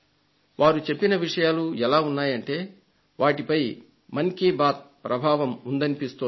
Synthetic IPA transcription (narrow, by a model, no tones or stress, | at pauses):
ʋaːɾut͡ʃe̞pːinɐʋiʂɐjaːluɛlaːunːaːjɐɳʈe̞ː | ʋaːʈipɐj | mɐnkiːbaːt̪̚pɾɐbʱaːʋɐmund̪ɐnipist̪o